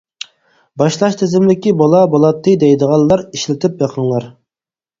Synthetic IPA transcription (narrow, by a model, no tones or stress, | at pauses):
bɑʃlˠɑʃt̪ʰɪzɪmlɪkʲibɑlˠɑbɑlˠɑt̪ʰːɨd̪ɛjd̪əʁɑnːˠɑɾiʃlɪt̪ʰɪpjɑqʰəŋlˠɑɾ